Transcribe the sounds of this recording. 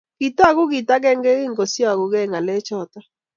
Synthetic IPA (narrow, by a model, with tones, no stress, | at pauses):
ɡ̥i˨ta˦˨ɣʊ˦ɡi˨ta˦ɡɛ˦ŋɡɛ˦ɣi˦ŋɡo˨sjɔ˦a˨ɣu˨ɡɛ˦˨ŋa˨le˦t͡ʃɔ˦˨tɔ˦